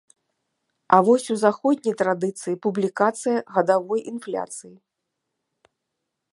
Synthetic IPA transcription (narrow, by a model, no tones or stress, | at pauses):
ɐvɔsʲuzaxɔd̪ʲnʲijt̪ɾad̪ɨt̪sɨjipublʲikat̪sɨjɐɣɐd̪avɔjinflʲa̰t̪sɨji